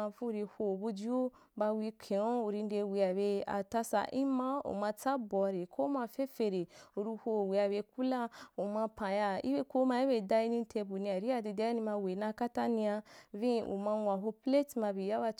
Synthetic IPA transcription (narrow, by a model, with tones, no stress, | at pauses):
a˧vũ˦˨ɾi˧ho˧˨bu˧d͡ʒi˦o˦ | ba˧wi˧kʰe˨o˦u˨ɾi˧n˦de˧wi˧a˨be˧a̰˨ta˦sa̰˧˨ʔi˦mã˦o̰˨mã˧t͡sa˦bɔ˧ɾe˨kʰo˦mã˧fe˦fe˧ɾe˨u˨ɾi˧ho˧˨wi˨a˧˨be˧ku˦la˦o˨mã˧pã˨ja˧ḭ˦be˧ko˦ma˧˦i˦be˧˨da˧i˧nĩ˧tʰe˧bu˨nĩ˧a˨ɾi˦a˦˨de˧de˧˦nĩ˧ma˧we˨nã˧ka˦ta˦nĩ˧a˧vĩ˦ʔṵ˨mã˧wa˨ɦo˧ple˦tmã˧bi˨ja˦ba˧